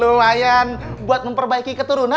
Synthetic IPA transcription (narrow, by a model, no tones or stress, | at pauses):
umajanbuat̪̚məmpərbaikikət̪uɾuna